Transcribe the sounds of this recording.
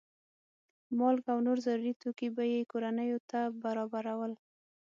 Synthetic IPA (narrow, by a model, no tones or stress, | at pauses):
mɑlkawnoɾzaɾuɾit̪okibajekoɾanəjot̪abaɾɑbaɾawəl